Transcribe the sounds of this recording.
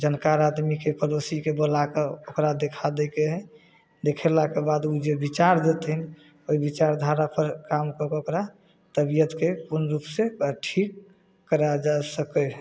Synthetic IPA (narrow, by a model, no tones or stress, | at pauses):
d͡ʒənkaɾad̪mikepəɾosikebolakeokɾad̪ekʰad̪ɛkeɦɛ | d̪ekʰɛlakebad̪ud͡ʒebit͡ʃaɾd̪et̪ɦin | oibit͡ʃaɾd̪ʱaɾapəɾkamkəkokɾa | t̪əbijət̪kepunɾupseʈʰik̚ː | əɾad͡ʒasəkəɦ